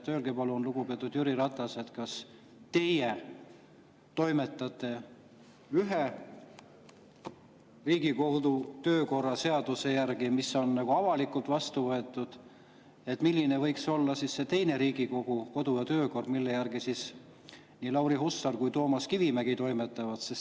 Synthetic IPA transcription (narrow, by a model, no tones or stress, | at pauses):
t̪øːlɡepɑlunluɡ̥upe̞ɑt̪ud̪̥jyɾiɾɑt̪ːˑɑse̞t̪kɑs | t̪e̞je | t̪o̞jme̞t̪ːˑɑt̪ːˑe̞ | yɦe | riːɡiko̞hd̪ut̪ø̞ːko̞rːɑse̞ɑd̪̥use̞jærɡ̥imiso̞nːɑɡ̥uɑvɑlikːˑult̪vɑst̪uvɤe̞t̪ːˑud̪̥ | e̞t̪milːinevɤ̞jkso̞lːɑsisːe̞t̪e̞jne̞ɾiːɡ̥iko̞ɡuko̞d̪̥ujɑt̪ø̞ːko̞rd̪milːe̞jærɡ̥isis | niːlɑwɾihusːɑrkujt̪o̞ːmɑskivimæɡ̥it̪o̞jmet̪ːˑɑvɑd̪̥ses